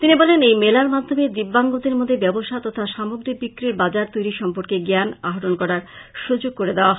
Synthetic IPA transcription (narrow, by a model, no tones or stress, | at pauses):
t̪inibɔlenejmelaɾmad̪ʱomed̪ibːaŋɡod̪eɾmod̪ʱːebɛboʃat̪ɔt̪ʰaʃamoɡɾik̚bikːɾiɾbad͡ʑaɾt̪ojɾiʃɔmpoɾkeɡeanaɦoʈonkɔɾaɾ | ʃud͡ʑoɡ̚koɾed̪eoaɦ